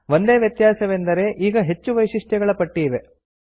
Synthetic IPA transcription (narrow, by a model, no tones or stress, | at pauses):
ʋo̞nd̪eːʋjɐt̪jaːsɐʋend̪ɐɾe̞ʔiːɡɐɦe̞t͡ʃːuʋɐjʂiʂʈjɛɡɐɭɐpɐʈːiːʋe̞